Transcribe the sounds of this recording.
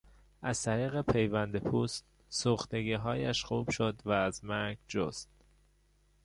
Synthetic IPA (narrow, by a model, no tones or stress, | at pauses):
ʔæz̥t̪ʰæɾiːɣe̞pʰe̞jvænd̪epʰuːst̪ | suːxt̪e̞ɡiːɦɒːjæʃxuːb̥ʃod̪væːzmæɾɡd͡ʒo̰st̪̚